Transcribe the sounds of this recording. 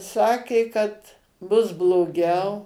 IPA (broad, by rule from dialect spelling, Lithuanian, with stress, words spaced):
ˈsɑːkʲeː kɐt ˈbʊs blˠoːˈɡʲɛʊ